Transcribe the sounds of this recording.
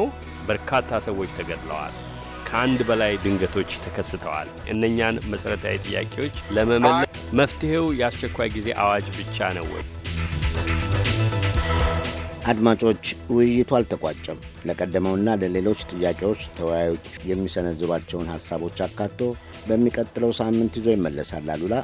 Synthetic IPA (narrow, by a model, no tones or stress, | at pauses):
bəɾkʰat̪ʰːasəwːo̞t͡ʃːt̪ʰəɡəd̪lə̰wa̰l | kʰəand̪bəlajd̪ɨŋɡət̪ʰo̞t͡ʃːt̪ʰəkʰəsːɨt̪ʰəwa̰lʔɨnːəɲːanməsəɾət̪ʰa̰jt̪ʼɨjːa̰kʼewo̞t͡ʃːləməməlːə | məft̪ɨhewjɛast͡ʃɛkʷːajɡize̞ʔawad͡ʒbɨt͡ʃːa̰nə̰wɛ̰j | ʔad̪mat͡ʃʼo̞t͡ʃːwɪjːɪt̪ʰwalt̪ʰəkʷʼa̰t͡ʃʼːɛmləkʼəd̪ːəməwɨnːaləle̞lo̞t͡ʃːt̪ʼɨjːakʼe̞wo̞t͡ʃːt̪ʰəwjajo̞t͡ʃː | jɛmːisənəzːɨβat͡ʃːɛwnhasːaβo̞t͡ʃːakːat̪ʰːo̞ | bəmːikʼət̪ʼːɨləwsamːɨnt̪hizo̞jɪmːəlːəsalːalːula